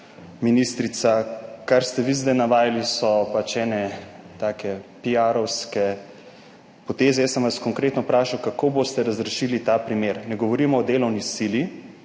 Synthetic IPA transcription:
minist̪ɾit̪sakaɾst̪ɛʋizd̪ajnaʋaːjalisɔpat͡ʃɛːnɛ | t̪aːkɛpijaɾɔwskɛ | pɔt̪eːzɛjɛsəmʋaskɔŋkɾeːt̪nɔpɾaːʃawkakoːbost̪ɛɾazɾɛʃiːlit̪aːpɾimeːɾnɛɡɔʋɔɾiːmɔːd̪eːlɔwnisili

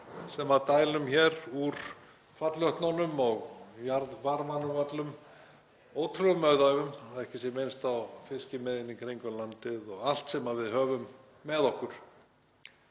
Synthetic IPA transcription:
sɛmat̪aːjlʏmçɛɾuɾ̥ | fat̪lœht̪nawnːʏmɔɣjaɾðvaɾmanʏvat̪lʏm | oːwt̪ʰɾʏmœɥðaɥvʏmaðɛhcɪsjɛmɪnst̪awfɪscɪmɛðɪnːikʰɾejŋkʏlant̪ɪðɔɣal̥t̪sɛmavɪðɦœːvʏmː | ɛðɔhkʏɾ̥

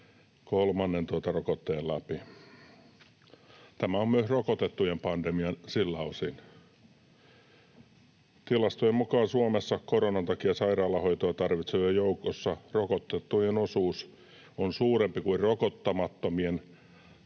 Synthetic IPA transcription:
kolmɑnːent̪uot̪ɑrokot̪ːeːllæpi | t̪æmæommyøsrokot̪et̪ːujempɑndemiɑnsilːæosin | t̪ilɑst̪ujemukɑːnsuomesːɑkoronɑnt̪ɑkiɑsɑirɑːlːɑhoit̪oɑt̪ɑrʋit̪seʋɑjoukosːɑrokot̪ːet̪ːujenosuːs | onsuːrempikuirrokot̪ːɑmɑt̪ːomien

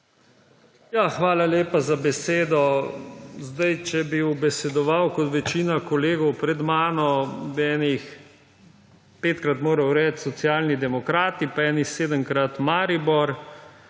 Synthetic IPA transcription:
jaxʋaːlaleːpazabɛseːd̪ɔ | zd̪ajt͡ʃɛbiubɛsɛd̪ɔʋawkɔt̪ʋɛt͡ʃiːnakɔleːɡɔwpɾɛd̪maːnɔbiɛːnix | peːt̪kɾat̪moːɾɐwɾɛːt̪sɔt̪sijaːlnid̪ɛmɔkɾaːt̪ipaɛːnixseːd̪əmkɾat̪maːɾibɔɾ

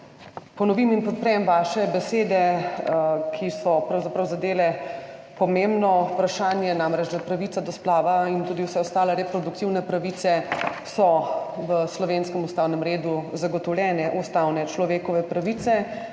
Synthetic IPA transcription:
pɔnɔʋiminpɔt̪̚pɾɛjɛmʋaːʃɛbɛseːd̪ɛ | kʰisɔpɾawzapɾɐwzad̪eːlɛ | pɔmembnɔpɾaʃaːnjɛnamɾɛd͡ʒd̪apɾaʋiːt̪sad̪ɔsplaːʋaint̪uːd̪iwsɛɔst̪aːlaɾɛpɾɔd̪uk̚t̪iwnɛpɾaʋiːt̪sɛsɔʋəslɔʋeːnskɛmust̪aːwnɛmɾeːd̪uzaɡɔt̪ɔwlʲjɛːnɛʔust̪awnɛt͡ʃlɔʋeːkɔʋɛpɾaʋiːt̪sɛ

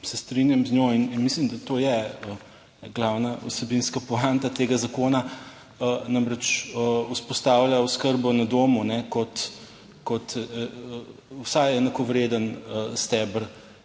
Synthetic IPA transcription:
sɛst̪ɾinjamznʲjoininmislimd̪at̪ojɛə | ɡlawnaṵsɛbinskapɔant̪at̪eːɡazakoːna | ənamɾɛt͡ʃəuspɔst̪aːwlʲjauskəɾbɔnad̪oːmunɛkɔt̪ | kɔt̪ | wsajɛnakɔʋɾed̪ənəst̪ɛbəɾ

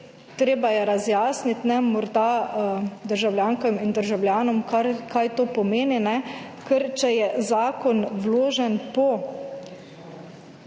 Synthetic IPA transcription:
t̪ɾeːbajɛɾazjaːsnit̪nɛmɔɾd̪a | d̪əɾʒawlʲjaːŋkɔmind̪əɾʒawlʲjaːnɔmkakajt̪oːpɔmeːninɛkəɾt͡ʃɛjɛzaːkɔnwloːʒɛnpɔ

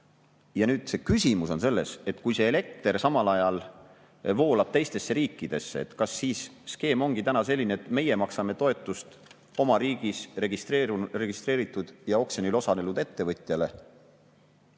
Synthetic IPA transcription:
jɑnyːd̪̥se̞kysʲimuso̞nse̞lːe̞se̞t̪ˑkujse̞ːle̞k̚t̪ersɑmɑlɑjɑl | vo̞ːlɑb̥̚t̪e̞jst̪e̞sːe̞ɾiːkːˑid̪̥e̞sːe̞̰ḛt̪kɑsːiːsske̞ːmo̞ŋɡ̥it̪ænɑse̞lʲːineet̪me̞je̞mɑksɑme̞t̪o̞e̞t̪ːˑust̪ | o̞mɑɾiːɡ̥iseɡist̪ere̞ɡist̪rɾe̞ːɾit̪ːˑud̪̥jɑo̞ksenilosɑne̞lud̪et̪ːe̞vɤt̪ʲˑjɑle̞̰

